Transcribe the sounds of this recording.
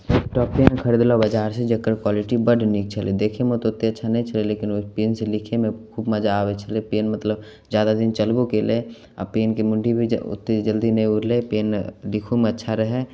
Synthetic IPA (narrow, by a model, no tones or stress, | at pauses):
ʈɔːppeːnkʰəɾed̪lobəd͡ʒaːɾsed͡ʒɐkːəɾkwaːlɪʈibəɖʱnik̚ʰt͡ʃʰəled̪eːkʰemot̪oʊt̪ːeɐtːʃʰanɐɦĩt͡ʃʰɐleleːkɪnpeːnselɪkʰemẽkʰuːbmɐd͡ʒaːʋet͡ʃʰɐlepeːnmɐt̪ləb | zjaːd̪ad̪ɪnt͡ʃəlbokele | a̰peːnkemʊ̃ɳɖʱibʱiʊ̰t̪ːed͡ʒəld̪inɐɦĩʊɾlepeːnlɪkʰumẽɐtːʃʰaɾəɦe